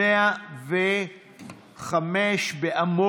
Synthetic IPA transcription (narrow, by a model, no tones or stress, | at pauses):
eave | χameʃbeʔamo